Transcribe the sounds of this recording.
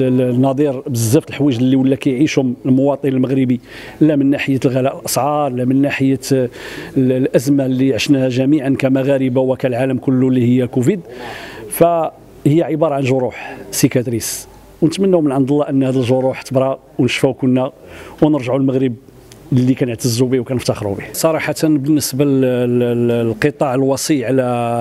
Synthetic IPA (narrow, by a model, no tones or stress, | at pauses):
nɑd̪ˤiɾbəzːæft̪əlħwiʒəlːiwəlːækæjʕiʃhʊməlmʊwɑt̪ˤənəlməɣɾəbi | lːæmənːaħəjːælɣælæʔlʔɑsˤʕɑɾˤlæmənːaħəjːæ | lʔæzmalːiʕəʃnæhæʒæmiʕankæmaɣæɾəbawækælʕaləmkʊlːulːihəjːækufid̪fæ | həjːæʕəbɑɾˤɑʕanʒoɾˤuħsikæt̪ɾis | wnət̪mənːuwmənʕɑnd̪əlːɑʔənːhæd̪əlʒoɾuħt̪əbɾˤɑ | wnəʃfækʊnːæwnəɾʒʕulməɣɾəb | lːikænəʕt̪əzːubiwkænəft̪ɑxɾṵbihsˤɑɾˤɑħat̪ənbənːəsbæ | lqət̪ˤɑʕəlwɑsˤiʕlæ